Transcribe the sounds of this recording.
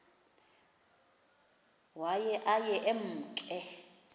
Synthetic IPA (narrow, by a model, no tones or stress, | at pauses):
wajɛʔajɛʔem̩ːt͡ɬʼɛ